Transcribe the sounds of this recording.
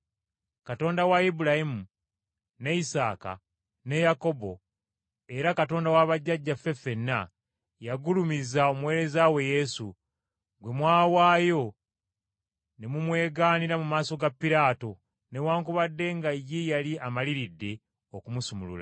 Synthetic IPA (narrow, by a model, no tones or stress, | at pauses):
kato̞ːndawaibulahimu | ne̞isa̰ːka̰ | ne̞jako̞bo̞̰ | e̞ɾakato̞ːndawaβaɟːaɟːafːe̞fe̞nːa | jaɡulumizao̞mwe̞ːɾe̞zawe̞je̞sṵ | ɡwe̞mwaːwaːjo̞ | ne̞mumwe̞ːɡaːniɾamumaːso̞ɡapːiɾaːto̞ | ne̞waːŋkuβadːe̞ŋɡajijaliamaliɾidːe̞ | okumusumulṵla̰